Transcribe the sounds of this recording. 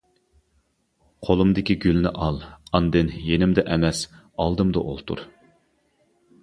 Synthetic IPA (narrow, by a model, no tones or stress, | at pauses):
qʰolˠumd̪ɪkʲiɡʲylnɪʔɑlˠɑnd̪ɪnjenɪmd̪ɛʔɛmɛs | ɑlˠd̪ɨmd̪ɑ̰ʔolˠt̪ʰṵɾ